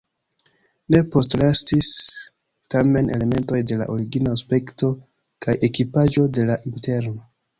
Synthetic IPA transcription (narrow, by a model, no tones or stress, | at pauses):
ne̞po̞stlastis | tame̞nʔe̞̰le̞me̞nto̞jde̞la̰ʔoɾiɡinaspe̞kto̞ | kajʔe̞kipaʒo̞de̞laʔinte̞ɾno